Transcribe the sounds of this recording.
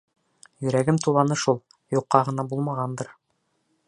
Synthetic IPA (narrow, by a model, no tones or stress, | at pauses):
jɵ̆ɾæɡɘmt̪ulˠɑnɤʃulˠ | juqːɑʁɤ̆nɑbulˠmɑʁɑnd̪ɤɾ